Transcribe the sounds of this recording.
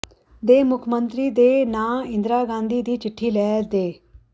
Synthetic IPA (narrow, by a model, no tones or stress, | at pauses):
d̪eːmʊkʰmənt̪ɾiːd̪eːnãːɪ̃nd̪ɾaːɡãːnd̪iːd̪iːt͡ʃɪʈʰːiːlɛːd̪eː